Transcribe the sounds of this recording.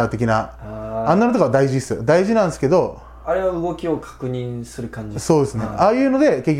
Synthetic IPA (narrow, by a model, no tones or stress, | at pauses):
at̪e̞kʲinaãnːanot̪okaβad̪aiʑiesɨd̪aiʑinãñsɨ̥ke̞d̪o̞ | aɾe̞βaɯɡo̞kʲio̞kʰḁkɯ̟ɲĩñsɨɾɯ̟kãɲd͡ʑiso̞ːd̪e̞sɨne̞̰aːjɯ̟ːno̞d̪e̞kekʲː